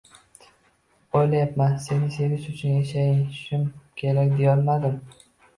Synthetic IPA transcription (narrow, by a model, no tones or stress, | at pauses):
ojlajapmanse̞nɪse̞vɪʃʊt͡ʃʰʊnjaʃajɪʃʊmkʲʰe̞ɾakʲd̪ejɒlmad̪ɪm